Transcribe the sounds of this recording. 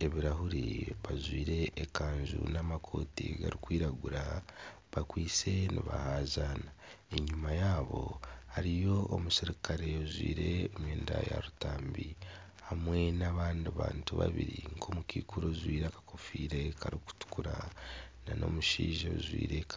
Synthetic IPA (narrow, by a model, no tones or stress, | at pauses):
e̞βiɾahuɾiβazwiːɾe̞ːkaːɲʒṵnamakʰo̞ːtiɡa̰ɾikwiːɾaɡuɾa | βakwiːt͡se̞niβa̰haːzaːna | e̞ɲumajaːβo̞haɾijo̞omusiɾikaɾe̞ozwiːɾe̞omweːnda̰ja̰ɾutaːmbi | hamwe̞naβaːndiβa̰ːntuβa̰βiɾiŋkʰomukiːkuɾozwiːɾakḁkofiːɾe̞kaɾiku̥tu̥kuɾanano̞̰muʃiːʒaβzwḭːɾek